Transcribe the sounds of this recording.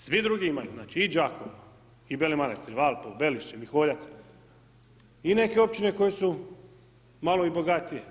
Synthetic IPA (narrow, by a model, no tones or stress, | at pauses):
sʋid̪ɾuɡiimajuznaːt͡ʃiːd͡ʒakʰoʋa | ibelemanest̪iɾʋalˠpobeliʃt͡ɕemixoːʎat̪s | ine̞keo̞p̚t͡ʃine̞ko̞jesu | malo̞ibo̞ɡat̪ije̞